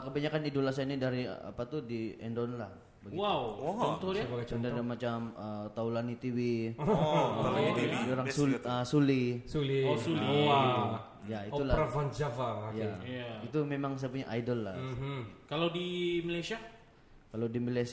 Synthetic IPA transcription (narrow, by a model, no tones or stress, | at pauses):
kəbaɲakanidolas̬anidaɾḭa̰pat̪udiɛ̰ndɔnlah | baɡwawnt̪ɔjaandadamat͡ʃamət̪aulanit̪iwi | oɾaŋsuləsulisulisuli | jaiulaɾafand͡ʒavaajait̪umemaŋs̬ajap̬uɲaʔajdɔlːa | kalawdimilajsia | kalawdimilas